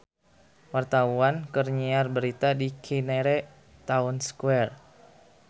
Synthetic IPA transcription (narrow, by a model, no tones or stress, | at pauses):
wart̪auankərɲiarbəɾit̪adikʰinɛɾɛ | t̪aunskuɛr